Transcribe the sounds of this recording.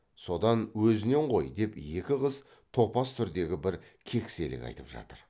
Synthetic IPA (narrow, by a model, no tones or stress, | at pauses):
so̞d̪ɑnwɵzɪne̞ɴqʰo̞jd̪e̞pje̞kʲɪʁəz | t̪ʰo̞pɑst̪ʰʏɾd̪e̞ɡʲɪbɪɾ | kʲʰe̞kse̞lɪ̰kʲɑ̰jt̪əpʒɑ̰t̪əɾ